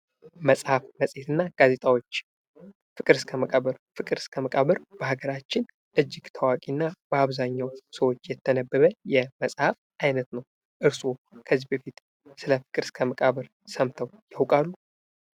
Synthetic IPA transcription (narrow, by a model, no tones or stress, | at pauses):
məsʼhafməsʼhet̪ɨnːaɡ̥aze̞t̪ʼawo̞t͡ʃː | fɨkʼɨɾskʰəməkʼaβəɾfɨkʼɨɾskʰəməkʼaβəɾbəhaɡəɾat͡ʃːɪn | ʔɨd͡ʒːɪɡt̪ʰəwakʼinːabəaβzaɲːawsəwo̞t͡ʃːjɛt̪ʰːənəbːəβəjɛməsʼhaf | ʔajnət̪nəw | ʔɨɾsokʰəzːibəfit̪ | sɨləfɨ̥kʼɨɾskʰəməkʼaβəɾ | səmt̪ʰəwjawkʼalːu